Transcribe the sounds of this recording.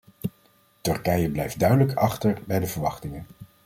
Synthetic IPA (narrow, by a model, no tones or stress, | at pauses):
tɵɹkɛjəblɛjfd̚dœɥdələkɑχtəɹbɛjdəvəɹʋɑχtɪŋən